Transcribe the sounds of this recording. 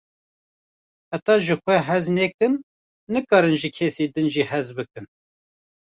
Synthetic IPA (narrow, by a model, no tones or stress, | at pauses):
hæt̪ɑːʒɨxʷɛɦɛzneːkɨnː | ɨkɑːɾɨnʒikʰɛsiːd̪ɨnʒiːhɛzbɨkɨn